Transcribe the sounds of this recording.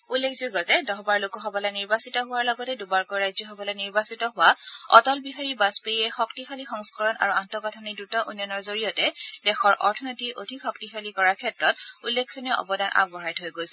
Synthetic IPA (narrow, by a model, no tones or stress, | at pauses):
ulːekʰzuɡɔzɛdɔɦbaɹlokɔɦɔbɔlajniɹbasitɔɦʊwaɹlɔɡɔtɛdubaɹkɔjɹajzɔɦɔbɔlɔjniɹbasitɔɦʊaɔ̰tɔlbiɦaɹibaspeiɛxɔktixalixɔŋskɔɹɔna̰ɹuantɔkatʰɔnidutɔʔunjɔnɔɹzoɹijɔtɛdɛxɔɹʔɔ̰ɹtʰɔnotiʔodʱixɔktixalikɔɹaɹkʰɛtɹɔtulːekʰːɔniɔʔɔ̰bɔdanʔa̰k̚bɔɹajtɦojɡojsɛ